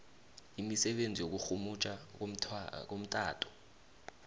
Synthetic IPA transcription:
imisɛɓend͡zʱijok̬uxumut͡ʃʼa | k̬om̩tʼa̰ːtʰʼɔ̥

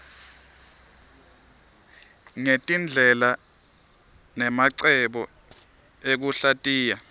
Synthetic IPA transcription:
ŋetʼind͡ɮʱɛla | nɛmaǀɛɓɔ | ek̬uɬatʼiːja

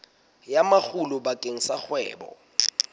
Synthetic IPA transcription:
jamak͡xʰulʊbakʼeŋ̩sak͡xwɛ̰ːbɔ̰

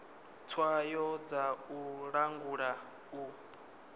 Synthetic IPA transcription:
t͡sʰwajɔd͡zauɺaŋɡuɺa | u

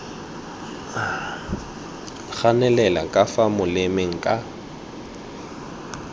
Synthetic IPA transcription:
k͡xanɛlɛla̰kʼafamʊlɪmɪŋ̩kʼa

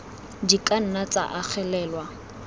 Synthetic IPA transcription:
dikʼan̩nat͡sʼa̰ʔak͡xʰɛlɛːlwa

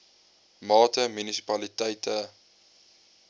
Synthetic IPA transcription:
mɑːtəmynisi̥pɐlitɛjtə

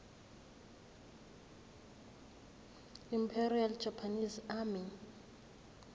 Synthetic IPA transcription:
impʰɛriald͡ʒ̥ʱapʰanizami

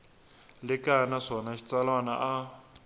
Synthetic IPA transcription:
lɪkanaʂɔnaʃi̥t͡salwana̰ʔa

